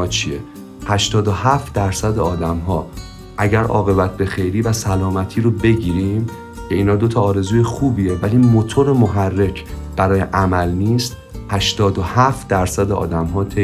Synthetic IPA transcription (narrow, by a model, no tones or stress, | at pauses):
ɒːt͡ʃʰie | hæʃt̪ɒːd̪o̞hæːft̪d̪æɾsæd̪eɒːd̪æmɦɒː | ʔæɟæɾʔɒ̰ːɣe̞bæt̪̚ʰbe̞xe̞jɾiːvæsælɒːmæt̪ʰiːɾobe̞ɟiːɾiːm | cʰe̞iːnhɒːd̪o̞t̪ʰɒːɾe̞zuːje̞xuːbiːje̞væliːmot̪ʰo̞ɾemoɦærːe̞cʰb̥æɾɒːjeʔæmælniːst̪̚ | hæʃt̪ɒːd̪ohæft̪̚d̪æɾsæd̪eɒ̰ːd̪æmɦɒːt̪ʰe